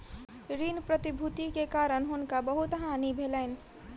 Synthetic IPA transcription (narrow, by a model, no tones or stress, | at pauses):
ɾinpɾət̪ibʱut̪ikekaɾənɦʊnkabəɦut̪ɦanibʱeləɪn